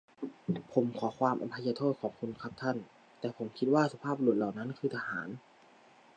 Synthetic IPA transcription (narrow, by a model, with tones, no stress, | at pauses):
pʰo˩˦mkʰɔː˩˦kʰwaː˧mʔa̰˧mpʰa˧jaː˧t̪ʰoː˥˩t̪̚kʰɔː˨˩˦ŋkʰu˧nkʰa˧˦˥p̚t̪ʰa˥˩n | t̪ɛː˨˩pʰo˩˦mkʰi˦˥t̪̚waː˥˩sa˧pʰaː˥˩p̚lu˨˩ət̪̚la˨˩wna˦˥nkʰɯː˧t̪ʰa˧haː˩˦n